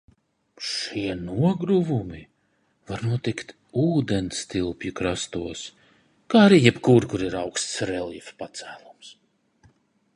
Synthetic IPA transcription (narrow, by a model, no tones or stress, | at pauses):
ʃiɛnuɔɡɾuvumi | vaɾnuɔt̪ikt̪ | uːd̪enst̪ilˠpjukɾast̪uɔs | kaːaɾiːjɛpkuɾkuɾiɾawkst̪sɾɛlˠjifpat̪sæːlˠums